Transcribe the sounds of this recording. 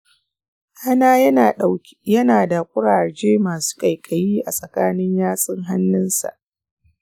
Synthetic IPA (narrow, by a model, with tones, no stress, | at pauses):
ʔa˦naː˦ɐ˦˨ɗa˨ | jɐ˦naː˨da˨kʷʼʊ˦ɽaː˨d͡ʒeː˦maː˨su̥ː˦kʼa˨jkʼɐ˨jiː˦ʔa˨sʼɐ˨kaː˦nɪ˦ɲjaː˦sʼɪ˦ŋɦa˦nːɪ˦nsa̰˨ʔ